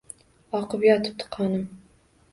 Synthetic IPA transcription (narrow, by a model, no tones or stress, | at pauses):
ɒqɨpjɒt̪ʰɨ̥p̚t̪ʰɨ̥qʰɑnɨm